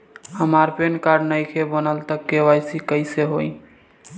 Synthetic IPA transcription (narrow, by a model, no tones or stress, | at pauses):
həmaɾpenkaɾnəjkʰebənəlt̪əkːewajsikəɪseɦoi